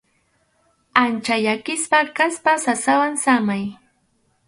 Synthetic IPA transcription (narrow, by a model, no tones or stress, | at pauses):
ant͡ʃajakɪspakaspasasawansamaj